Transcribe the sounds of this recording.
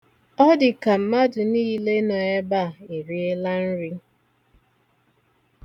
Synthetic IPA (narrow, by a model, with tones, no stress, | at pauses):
ɔ˦dɪ˨ka˨m̩˨˦ma˦dʊ˨niː˦le˦nɔ˨e˦ba˦˨e˨ɾi˦e˦la˦n̩˦ɾi˦